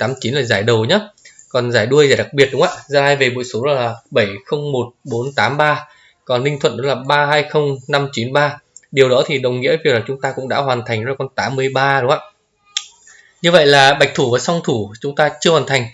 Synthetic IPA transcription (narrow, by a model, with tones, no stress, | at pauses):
t̪aː˨˦mt͡ɕi˨˦nlaː˨˩zaː˧˩jɗə˨˩wɲaː˨˦kɔ˨˩nzaː˧˩jɗu˧əjzaː˧˩jɗa˨˩k̚ɓi˨˩ət̚ɗʊ˨˦ŋ͡mʔa̰ː˧˨zaː˧˩laː˧˩jve˨˩ɓo̰˧˨jso˨˦ɗɔ˨˦laː˨˩ɓə˧˩jxə˧wŋ͡mmo˨˩t̚ɓo˨˦nt̪aː˨˦mɓaː˧ | kɔ˨˩nːï˧ŋ̟t̪ʰwə̰˧˨nɗɔ˨˦laː˨˩ɓaː˧ɦaː˧jxə˧wŋ͡mna˧mt͡ɕi˨˦nɓaː˧ɗi˨˩əwɗɔ˨˦t̪ʰi˨˩ɗə˨˩wŋ͡mŋḭ˧˥əvi˧˩˨wlaː˨˩t͡ɕʊ˨˦ŋ͡mt̪aː˧kʊ̰˧˥ŋ͡mɗa̰ː˧˥ɦwaː˨˩nt̪ʰa˨˩ŋɔ˨˦laː˨˩kɔ˧nt̪aː˨˦mːɨ˧əjɓaː˧ɗə˨˦ŋ͡mʔa̰ː˧˥ | ɲɨ˧və̰˧˨jlaː˨˩ɓa˨˩jk̚t̪ʰu˧˩vaː˨˩sa˧wŋ͡mt̪ʰu˧˩t͡ɕʊ˨˦ŋ͡mt̪aː˧t͡ɕɨ˧əhwaː˨˩nt̪ʰa˨˩ŋ̟